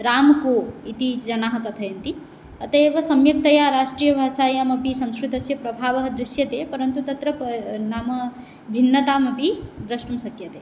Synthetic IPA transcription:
ɾaːmkuit̪id͡ʒɐnaːɦɐkɐt̪ʰɐjɐnt̪i | ɐt̪ɐeːʋɐsɐmjɐk̚d̪ɐjaɾaːʃʈɾijɐbʱasaːjamɐbʱisɐ̃w̃skɾit̪ɐsjɐpɾɐbʱaːʋɐɦɐd̪ɾɪʃjɐt̪epɐɾɐnt̪ut̪ɐt̪ɾɐnaːmɐ | bʱinːɐt̪amɐbʱid̪ɾɐsʈumsɐkjɐt̪e

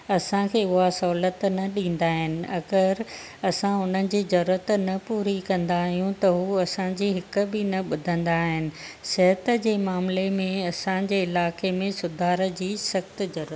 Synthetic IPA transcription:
ɐsãkʰeːʊɦasɐɦːlət̪nɐɗĩːn̆d̪aːɦɪnɪ̆ʔɐɡəɾ | ɐsãʊn̤ənɪ̆d͡ʑiːzɐɾuːɾət̪nɐpuːɾikɐ̃nd̪aːɦijũt̪ɐɦuːɐsãd͡ʑiːɦɪk̆bɪnɐɓʊd̪ʱə̃nd̪aːɦɪnɪ̆sɐɦət̪ə̆d͡ʑeːmaːmlemẽɐsãd͡ʑeːɪlaːkemẽsʊd̪ʱaːɾəd͡ʑiːsɐxt̪zɐɾːət̪

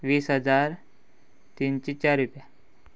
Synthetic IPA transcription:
ʋiːsɦəd͡zaɾ | t̪iːnt͡ɕet͡ɕaɾːupija

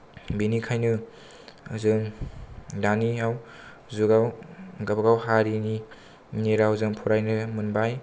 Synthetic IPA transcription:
binikʰajnɯ | zɯŋ | daniaw | zuɡawɡabɡawɦaɾini | neɾawzɯŋpʰuɾajnɯmunbaj

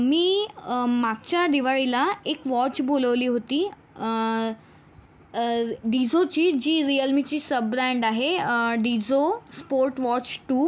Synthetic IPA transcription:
miːmaɡ̚t͡ɕjad̪iʋaɭilaekʋɔt͡ɕboləʋliːɦot̪iː | ɖid͡zot͡ɕiːd͡ʑiːɾijəlmit͡ɕiːsəbɾaɳɖaɦeɖid͡zospoɾʈʋɔt͡ɕʈu

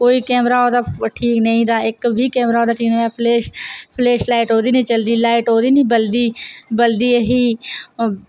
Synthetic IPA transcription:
koːiːkɛːmɾaːoːd̪aːʈʰiːknəĩːd̪aːɪkʋiːkɛːmɾaːoːd̪aːʈʰiːknə̃ĩːaːpʰlɛːʃpʰleːʃlaːɪʈɦoːd̪iːnẽiːt͡ʃəld̪iːlaːɪʈɦoːd̪iːnĩːbəld̪iːbəld̪iːeɦiː

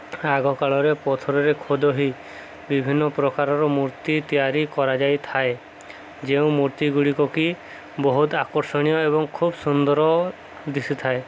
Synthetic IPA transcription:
aɡɔkaɭɔɾepɔt̪ʰɔɾɔɾekʰod̪ɔɦi | bibʱinːɔpɾɔkaɾɔɾɔmuɾt̪it̪ijaɾikɔɾad͡ʒajt̪ʰae | d͡ʒeũmuɾt̪iɡuɭikɔki | bɔɦut̪akɔɾsɔɽ̃ijɔebɔŋkʰubsund̪ɔɾɔ | d̪isit̪ʰae

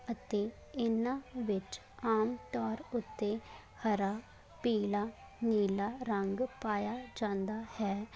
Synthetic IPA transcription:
ət̪eː | ɪnãʋɪt͡ʃ | aːmt̪ɔːɾʊt̪ːe | həɾaː | piːlaː | niːlaːɾəŋɡpaːjad͡ʒãːnd̪aːhɛː

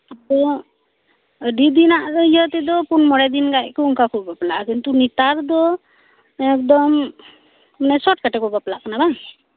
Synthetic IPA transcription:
at̪ɔ | ɖid̪inaʔd̪ɔjɔt̪ed̪ɔpunmɔɽajd̪inɡajkɔuŋkakubɔplaʔkint̪unit̪aɾd̪ɔ | ekd̪ɔm | nasɔʈkaʈekɔbaplaʔkɔnaba

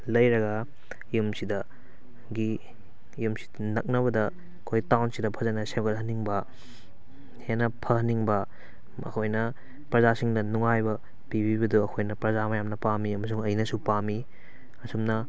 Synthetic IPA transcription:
lɐjɾɐɡɐ | ijumsidɐ | ɡiː | jumsi̥ | nɐk̚nɐβɐdɐː | kʰojtawnsidɐpʰɐzɐnɐsemɡɐt̚ɦɐniŋbɐ | henɐpʰɐhɐniŋbɐ | ɐ̰kʰojnɐ | pɾɐzasiŋdɐnuŋajbɐ | pibibɐduɐkʰojnɐpɾɐzamɐjamnɐpamiɐmɐs̬uŋɐjnɐsupami | ɐsumnɐ

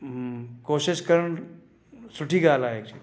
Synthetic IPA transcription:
koɕiʃkəɾəɳ | suʈʰiːɡalaek̚t͡ʃʰi

